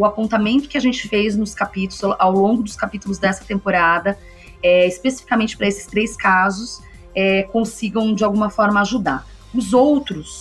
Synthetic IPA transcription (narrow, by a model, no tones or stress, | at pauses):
ʊapõnt̪amẽnt̪ʊ̥kɪaʒẽnt͡ʃɪ̥fejznʊskapit̪ʊlʊ̥zʔawlõɡʊd̪ʊskapit̪ulʊzd̪ɛsɐ̥t̪ẽmpoɾad̪ɐ | ɛɪspesi̥fikamẽnt͡ʃɪpɾɐesɪ̥st̪ɾejskazʊs | ɛkõsiɡɐ̃w̃d͡ʒɪawɡũmɐfɔɾmɐaʒud̪a | ʊzowt̪ɾʊs